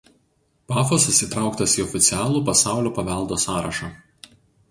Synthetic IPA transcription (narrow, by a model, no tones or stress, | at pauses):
pɑːfoːsʊsʲiˑt̪ɾɑˑʊkt̪ɐsiːɔfʲɪt̪sʲɪæːlˠuːpɐsɑˑʊlʲoːpɐʋʲɛlˠd̪oːsɑːɾɐʃɑ